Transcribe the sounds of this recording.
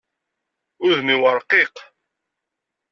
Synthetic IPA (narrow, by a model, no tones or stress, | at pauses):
ʊðmiwəɾˤqiq